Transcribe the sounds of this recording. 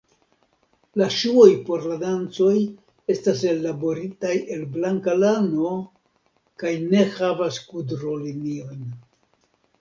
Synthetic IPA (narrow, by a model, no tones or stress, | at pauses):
laʃuo̞jpo̞ɾladant͡so̞j | e̞stase̞labo̞ɾitaje̞lblaŋkalano̞ | kajne̞havaskudɾo̞linio̞n